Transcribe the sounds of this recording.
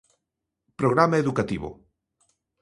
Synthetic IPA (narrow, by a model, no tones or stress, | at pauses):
pɾoɣ̞ɾamaeðukat̪iβo̰